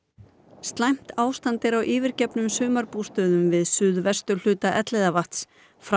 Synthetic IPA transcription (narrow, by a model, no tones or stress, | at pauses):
st̪lajm̥t̪aːwst̪ant̪ɪɾawʔiːvɪɾ̥cɛpnʏmsʏːmaɾpust̪œːðʏmvɪðsʏðvɛst̪ʏl̥ʏːt̪aʔɛt̪lɛðavaht̪s | fɾ